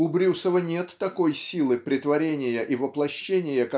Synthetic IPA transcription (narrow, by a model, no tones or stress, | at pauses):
ʊbɾʲusəvənʲe̞t̪ːɐko̞jsʲilˠɨpɾʲɪt̪vɐɾʲenʲɪjəʔivəplˠɐɕːenʲɪjəkɐ